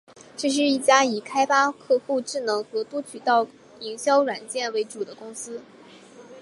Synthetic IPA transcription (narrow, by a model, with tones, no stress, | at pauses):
ʈ͡ʂɤ˥˧ʂ̬ɻ̩˥˧i˥˩t͡ɕja˥i˨˩kʰa˥ɪpa˥kʰɤ˥˧xu˥˧ʈ͡ʂɻ̩˥˩nɤ˧˥ŋxɤ˧˥t̪wɔ˥t͡ɕʰy˨˩t̪ɑ˥˩ʊ | i˧˥ŋɕjɑ˥ʊɻwa˨˩nt͡ɕjɛ˥˩nwe˧˥ɪʈ͡ʂu˨˩d̪ə˦kʊ˥ŋsɹ̩˥